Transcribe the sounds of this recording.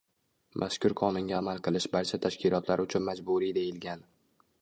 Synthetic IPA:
mʔa̰ʃkʲʊɾqʰɒnʊŋɡʲaːmalˠqʰɨlˠɪʃbaɾt͡ʃʰat̪ʰaʃkʲɪlˠɒt̪ʰlaɾʊt͡ʃʰʊnmad͡ʒbʊɾid̪e̞jɪlɡʲan

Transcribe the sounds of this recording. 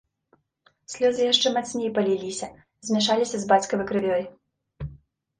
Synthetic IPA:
sʲlʲɔzɪjɛʃt͡ʃɛmɛt̪sʲnʲijipɐlʲilʲisʲɐ | zmʲiʃɑlʲisʲɐzbɑt͡sʲkɐmɪkɾɪʋʲjɔjʊ

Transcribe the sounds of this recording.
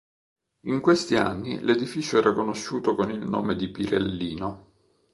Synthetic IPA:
iŋkwest̪ia̰nːḭled̪ifit͡ʃoɛːɾakonoʃːuːt̪okonilno̰ːmed̪ipiɾelːiːno

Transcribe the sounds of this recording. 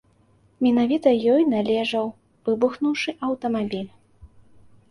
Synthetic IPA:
mʲinavʲit̪ɐjɔjnalʲɛʐɐw | vɨbuxnuwʂɨʔɐwt̪ɐmabʲilʲ

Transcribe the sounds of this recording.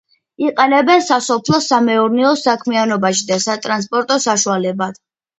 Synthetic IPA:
iqʼɛnɛbɛnsasɔpʰlˠɔsamɛuɾnɛɔsakʰmianɔbaʃid̪asat̪ʼɾans̬pʼɔɾt̪ʼɔsaʃualɛbad̪̥

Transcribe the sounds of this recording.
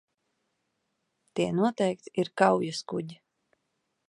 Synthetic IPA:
t̪iɛnuɔt̪ɛjk̚t̪iɾkawjuskuɟi

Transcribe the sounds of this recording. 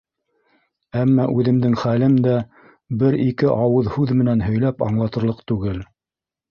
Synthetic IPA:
æmːɑʔʉðɘ̆md̪ɘŋχælɘmd̪æ | bɘɾikɘʔɑwɤðhʉðmɘ̆nænɦɵ̆jlæpɑ̰ɴlˠɑt̪ɤ̆ɾlˠɤqt̪ʉɡɘl

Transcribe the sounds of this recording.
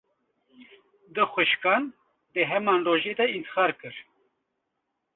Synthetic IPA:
d̪ɨxʷɨʃkɑːn | d̪əɦɛmɑːnroːʒeːd̪ɛint̪ɨ̥xɑːɾkɨɾ

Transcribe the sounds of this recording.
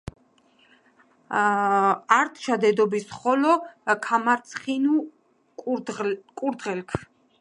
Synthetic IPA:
aɾt̪ʰʃad̪ɛd̪ɔbisχɔlɔkʰamaɾt̪sʰχinu | kʼuɾd̪ʁɛlkʰ

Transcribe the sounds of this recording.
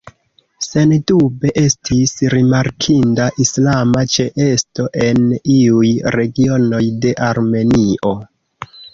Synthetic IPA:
se̞ndube̞ʔe̞stʰisɾimaɾkʰindaʔislamat͡ʃeʔe̞sto̞ʔe̞niujɾe̞ɡio̞no̞jde̞ʔaɾme̞niʔo̞

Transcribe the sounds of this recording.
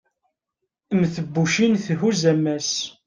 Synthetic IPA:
əmθəbːuʃinθhuzæmːæs

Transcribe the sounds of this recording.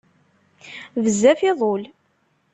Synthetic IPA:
vəzːæfɪðˤol

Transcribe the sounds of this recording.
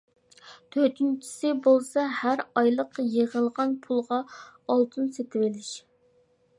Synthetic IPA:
t̪ʰøɾt̪ʰynt͡ʃʰi̥sɪbolˠsɑhæɾɑjlˠəqjeʁəlˠʁɑnpʰulˠʁɑɑlˠt̪ʰɨnset̪ʰɪwɪlɪʃ

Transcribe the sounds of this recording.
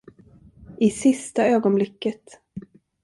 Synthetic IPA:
ʔɪsɪst̪aøːɡɔnblɪkːət̪

